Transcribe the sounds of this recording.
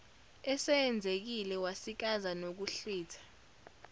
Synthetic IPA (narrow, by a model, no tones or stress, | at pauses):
ɛsɛːnd͡zʱek̬ilɛwasik̬azanok̬uɬiːtʰḁ